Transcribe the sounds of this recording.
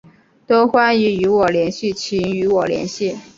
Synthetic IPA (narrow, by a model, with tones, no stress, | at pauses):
t̪o˥ʊxwa˥ny˧˥y˧˥wɔ˨˩ljɛ˧˥nɕi˥˩t͡ɕʰi˧˥ŋy˧˥wɔ˨˩ljɛ̰˧˥nɕi˥˩